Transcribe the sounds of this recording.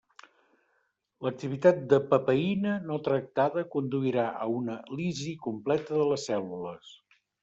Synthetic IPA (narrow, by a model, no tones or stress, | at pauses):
lək̚t̪iβ̞it̪at̪̚d̪əpəpəinənot̪ɾək̚t̪aðəkund̪uiɾaʔə̰unəlizikumplɛt̪əðələsːɛluləs